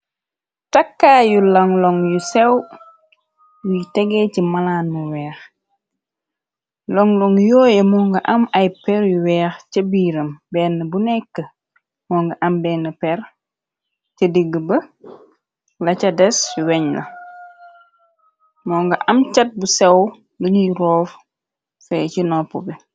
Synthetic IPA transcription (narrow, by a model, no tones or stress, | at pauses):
tɐkːaːjulɐŋlɔŋjusɛw | jutɛɡɛcimɐlaːnmuwɛːx | lɔŋlɔŋjɔːjɛmɔːŋɡɐʔɐmɐjpɛɾjuwɛːxcɐbiːɾɐmbɛːnːəbunɛkːə | mɔːŋɡɐʔɐmbɛːnːəpɛr | cɐdiɡːəbə | lɐcɐdɛswɛɲlɐ̰ | mɔŋɡɐʔɐmcɐt̚busɛw | luɲuɾɔːf | fɛcinɔpːubɛ